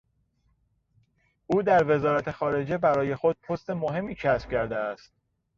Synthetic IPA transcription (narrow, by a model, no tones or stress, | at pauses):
ʔuːd̪æɾve̞zɒːɾæt̪ʰe̞xɒːɾe̞d͡ʒe̞bæɾɒːje̞xod̪̥̚pʰost̪e̞moɦe̞mːiːcʰæsb̥cʰæɾd̪eæst̪̚